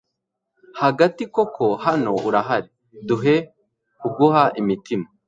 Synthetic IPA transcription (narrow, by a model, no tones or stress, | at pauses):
haɡatiko̞kʰohano̞ʔuɾaɦaɾi | duɦe̞ | kuɡuhaʔimitima